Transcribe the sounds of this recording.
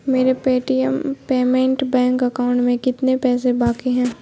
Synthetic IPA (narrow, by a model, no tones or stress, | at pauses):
meːɾepeːʈijəmpeːmẽɳʈbɛ̃ːŋkɐkaːʊ̃ɳʈmẽkɪt̪nepɛːsebaːkiɦɛ̃ː